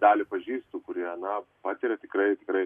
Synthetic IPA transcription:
d̪ɑːlʲɪpɐʒʲiːst̪uːkʊɾʲiɛɐnɐpɑːt̪ʲɪɾʲɛt̪ʲɪkɾɐɪt̪ʲɪkɾɐɪ

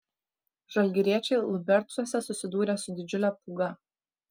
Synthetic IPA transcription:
ʒ̥ɐlʲɡʲɪɾʲiɛt͡ʃʲeɪlˠɔbʲɛɾt͡s̪uɔsʲɛsʊsʲɪd̪uːɾʲɛsʊd̪ʲɪd͡ʒʲʊlʲɛpuɡɐ

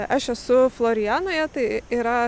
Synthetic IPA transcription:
ɐʃɛsʊflˠoːɾʲɪjæːnoːjɛt̪ɐɪiɾɐ

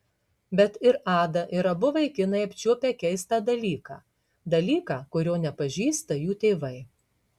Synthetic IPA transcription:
bʲɛt̪ɪɾɑːd̪ɐʔɪɾɐbʊʋɐɪkʲɪnɐɪɐpʲt͡ʃʲuɔpʲɛːkʲɛɪst̪ɑːd̪ɐlʲiːkɑ̰ː | d̪ɐlʲiːkɑːkʊɾʲoːnʲɛpɐʒʲiːst̪ɐjuːt̪ʲeːʋɐɪ

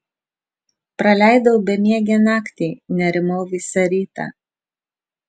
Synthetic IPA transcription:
pɾɐlʲæˑɪd̪ɐʊbʲɛmʲiɛɡʲɛnɑːkt̪ʲiːnʲɛɾʲɪmoːʋʲiːsʲɐɾʲiːt̪ɑ̰ː

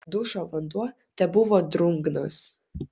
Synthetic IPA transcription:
d̪ʊʃoʋɐnd̪uɔ | t̪ʲɛbʊʋoːd̪ɾʊŋɡnos

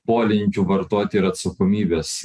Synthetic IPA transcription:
poːlʲɪnʲkʲuʋɐɾt̪oːt̪ʲɪɾɐt̪sɐkoːmʲiːbʲeːs

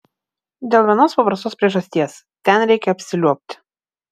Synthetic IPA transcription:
d̪ʲeːlˠʋʲiɛnoːspɐpɾɐst̪oːspʲɾʲiɛʒɐsʲt̪ʲiɛs | t̪ʲɛnɾʲɛɪkʲɛɐpʲsʲɪlʲuɔpʲt̪ʲ

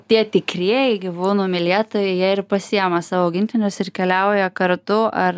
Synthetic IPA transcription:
t̪ʲiɛt̪ʲɪkɾʲiɛjɛɪɡʲɪʋuːnuːmʲɪlʲiɛt̪oːjɛɪjiɛɪrpɐsʲɪjɛmɐsɑːʋoːʊɡʲɪnʲt̪ʲɪnʲʊsɪrkʲɛlʲɛʊjɛkɐɾt̪ʊʔɐr

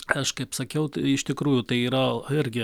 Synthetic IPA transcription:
ɐʃkɐɪpsɐkʲɛʊt̪ɪʃt̪ʲɪkɾuːjʊt̪ɐɪiːɾɐɪɾʲɡʲɪ

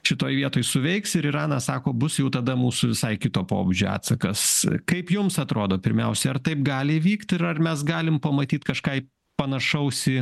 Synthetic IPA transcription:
ʃʲɪt̪oːjʋʲiɛt̪oːjsʊʋʲɛɪksɪɾɪɾɑːnɑsɑːkoːbʊsjɛʊt̪ɐd̪ɐmuːsʊʋʲɪsɐɪkʲɪt̪oːpo̰ːbʊd͡ʒʲoːɑ̰ːt̪sɐkɐskɐɪpjʊmsɐt̪ɾoːd̪oːpʲɪɾʲmʲɛ̰ʊsʲɛɐrt̪ɐɪp̚ɡɑːlʲɪʋʲiːkt̪ʲɪɾɐrmʲɛsɡɑːlʲɪmpɐmɐt̪ʲiːt̪kɐʃkɑːɪ | pɐnɐʃɐʊsʲɪ

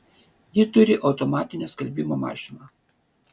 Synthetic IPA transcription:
jɪt̪ʊɾʲɪʔɐʊt̪ɔmɑːt̪ʲɪnʲɛskɐlʲbʲɪmoːmɑ̰ːʃʲɪnɑː

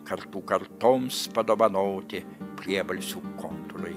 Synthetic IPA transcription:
kɐɾt̪uːkɐɾt̪oːmspɐd̪oːʋɐnoːt̪ʲɪ | pʲɾʲiɛbɐlʲsʲuːkont̪ʊɾɐɪ

